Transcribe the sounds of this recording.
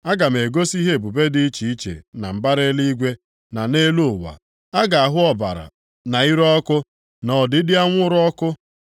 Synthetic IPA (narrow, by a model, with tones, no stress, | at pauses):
a˦ɡa˨m̩˨e˨ɡo˦si˦ɦe˦˨bu˨be˦di˦t͡ʃi˨i˦t͡ʃḛ˨na˨m̩˨ba˦ɾe˦li˦ɡʷe˦ | na˨ne˦lo˨wa̰˨ | a˦ɡa˨a˨ɦʊ˦ɔ˨ba̰˨ɾa̰˨ | na˨i˦ɾɔ˦kʊ˦ | nɔ˨dɪ˦dɪ˦a˦ŋʷʊ˦ɾɔ˦kʊ˦